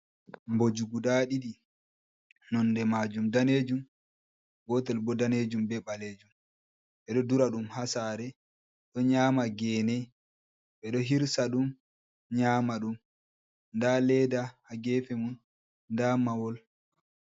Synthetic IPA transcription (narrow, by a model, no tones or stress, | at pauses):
mbod͡ʒuɡudaɗiɗi | nɔndɛmad͡ʒumdaned͡ʒum | ɡɔtɛlbɔdaned͡ʒumbɛɓaled͡ʒum | ɓɛɗɔduɾaɗumhasaːɾɛ | ɗɔɲaːmaɡɛːnɛ | ɓɛɗɔɦiɾsaɗum | ɲaːmaɗum | ndalɛdahaɡɛfɛmun | ndamawɔl